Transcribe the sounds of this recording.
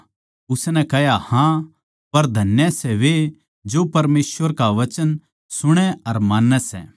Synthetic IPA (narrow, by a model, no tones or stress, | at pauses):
ʊsnɛ̃kɛɦjahã | pɐɾd̪ʱɐnjɛsɛʋe | d͡ʒopɐɾmeːsʋəɾkaʋɐt͡ʃən | sʊɽ̃ɛɐɾmaːnːɛsɛ̰ː